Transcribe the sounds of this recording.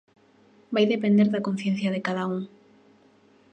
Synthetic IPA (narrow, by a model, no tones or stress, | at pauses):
bajðepend̪eɾðɐkon̟θjẽn̟θjɐðekaðauŋ